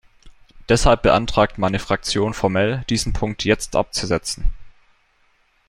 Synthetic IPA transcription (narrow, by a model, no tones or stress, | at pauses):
d̥ɛshalp̚b̥əʔa̰ntʁ̥aːk̚tmaɪnəfʁ̥ak̚t͡sjoːnfɔɐmɛld̥iːzn̩pʰʊŋk̚tʰjɛt͡stʔa̰p̚t͡suzɛt͡sn̩